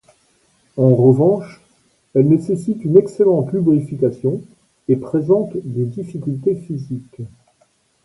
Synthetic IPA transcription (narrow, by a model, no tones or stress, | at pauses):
ɑ̃ʁəvɑ̃ʃ | ɛlnesesit̪ynɛkselɑ̃t̪lybʁifikasjɔ̃ | epχezɑ̃t̪d̪ed̪ifikʲylt̪efizik